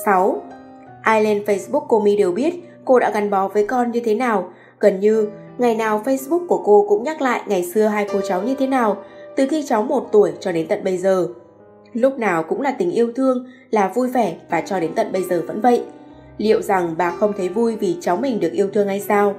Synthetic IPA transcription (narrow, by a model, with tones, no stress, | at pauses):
sa˨˦w | ʔaː˧jle˧nfə˧jsɓʊ˦˥kːo˧mi˧ɗe˨˩wɓi˦˥ət̚ | ko˧ɗa̰ː˧˥ɣa˨˩nɓɔ˨˦vəː˨˦jkɔ˧nɲɨ˧t̪ʰe˨˦naː˨˩w | ɣə˨˩nɲɨ˧ | ŋa˨˩jnaː˨˩wfə˧jsɓʊ˦˥k̚ku˧˩əko˧kʊ̰˧˥ŋ͡mɲa˦˥k̚la̰ː˧˨jŋa˨˩jsɨ˧əɦaː˧jfo˧˩t͡ɕa˨˦wɲɨ˧t̪ʰe˨˦naː˨˩wt̪ɨ˨˩xi˧t͡ɕa˨˦wmo˨˩t̚t̪u˧˩əjt͡ɕɔ˧ɗe˨˦nt̪ə˨t̚ɓə˧jzəː˨˩ | lʊ˦˥k͡p̚naː˨˩wkʊ̰˧˥ŋ͡mlaː˨˩t̪ï˨˩ŋ̟ʔi˧əwt̪ʰɨ˧əŋ | laː˨˩vu˧jvɛ˧˩vaː˨˩t͡ɕɔ˧ɗe˨˦nt̪ə˨t̚ɓə˧jzəː˨˩və̰˧˥nvə̰˧˨jʔ | lḭ˧˨ə˨wza˨˩ŋɓa̰ː˨˩xə˧wŋ͡mt̪ʰə˨˦jvu˧jvi˨˩t͡ɕa˨˦wŋ͡mmï˨˩ŋ̟ɗɨ˨˩ək̚ʔi˧ət̪ʰɨ˧əŋːha˧jsaː˧w